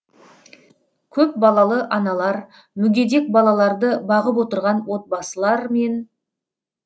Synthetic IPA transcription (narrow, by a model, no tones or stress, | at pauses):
kʲʰɵp̚bɑlˠɑlˠəʔɑnɑlˠɑɾ | mʏɡʲe̞d̪e̞k̚bɑlˠɑlˠɑɾd̪əbɑʁəpwo̞t̪əɾʁɑnwo̞t̪̚bɑsəlˠɑɾme̞n